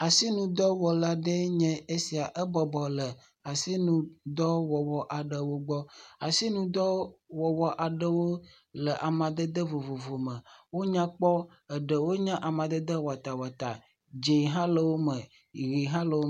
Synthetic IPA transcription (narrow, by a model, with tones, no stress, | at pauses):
a˨si˦nũ˨d̪ɔ˦wɔ˨la˨ɖə˦ɲɛ̃˦e˦si˨a˨ʔə˦bɔ˨bɔ˨lə˨ | a˨si˦nũ˨d̪ɔ˦wɔ˨wɔ˨ʔa˨ɖə˨wo˦ɡ͡bɔ˦a˨si˦nũ˨d̪ɔ˦wɔ˨wɔ˨ʔa˨ɖə˦wo˦ | lə˨ʔa˨mã˨d̪ə˦d̪ə˦vo˨vo˨vo˨mə̃˨wo˦ɲã˦k͡pɔ˦ | ə˨ɖə˨wo˦ɲã˦ʔa˨mã˨d̪ə˦d̪ə˦wa˨t̪a˨wa˨t̪a˨ | d͡ʒe˨ɦã˦lə˨wo˦mə̃˨ | ɣi˨ɦã˦lə˨wo˦